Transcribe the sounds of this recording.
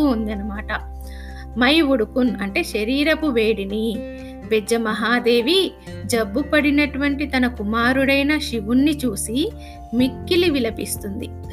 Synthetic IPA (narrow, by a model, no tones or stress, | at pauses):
uund̪ɐnɐmaːʈɐ | mɐjʋuɽukunɐɳʈe̞ːʃɐɾiːɾɐpuʋe̞ːɽini | bed͡ʒɐmɐɦaːd̪e̞ːʋi | d͡ʒɐbːupɐɽinɐʈuʋɐɳʈit̪ɐnɐkumaːɾuɽɐjnɐʃiʋunːit͡ʃuːsi | mikːiliʋilɐpḭst̪und̪i